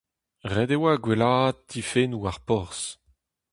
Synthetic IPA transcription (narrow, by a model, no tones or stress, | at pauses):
ʁɛd̪ewaɡwelaːd̪̚ːʰifenuaʁpɔʁs